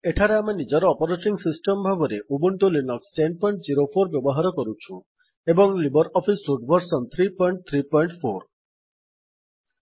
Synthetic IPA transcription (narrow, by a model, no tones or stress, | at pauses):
eʈʰaɾeamenid͡ʒɔɾɔːpɔɾeʈɔɾiŋsisʈɔmbʱabɔɾeʔubuɳʈolinɔksʈenɖ̚pɔjɳʈd͡ʒiɾopʰoɾbjɔbɔɦaɾɔkɔɾut͡ʃʰu | ebɔŋlibɔɾɔpʰisːuʈbʱɔɾsɔnt̪ʰɾipɔjɳʈ̚t̪ʰɾipɔjɳʈpʰoɾ